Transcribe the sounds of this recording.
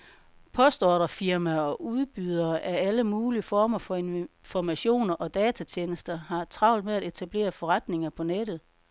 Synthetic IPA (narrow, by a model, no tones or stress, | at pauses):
pʰɒ̽sd̥ɒːɾ̥ɐfiɐmæɒ̽ʔuð̞ˠb̥yð̞ˠɐʔææləmuːliəfɒːmɐfɒ̽enfɒmæɕo̝̰ːnɐʔɒ̽d̥ɛːt͡sʰæt͡ɕʰeːnəsd̥ɐɦɑ̈t͡sʰʁɑ̈ʊ̰ld̥meæɾe̝t͡sʰæb̥le̝̰ːɐfɒ̽ʁad̥ne̝ŋɐpʰɒ̽ned̥ð̞̩ˠ